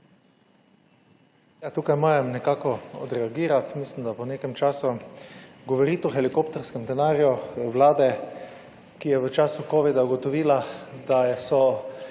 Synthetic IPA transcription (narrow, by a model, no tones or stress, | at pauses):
jat̪uːkajmoːɾɛmnɛkaːkɔɔ̰d̪ɾɛaɡiːɾat̪mislimd̪apɔneːkɛmt͡ʃaːsu | ɡɔʋoɾit̪ɔxɛlikopt̪ɔɾskɛmd̪ɛnaːɾjuʋlaːd̪ɛ | kijɛʋət͡ʃaːsukoːʋid̪auɡɔt̪ɔʋiːlad̪asɔ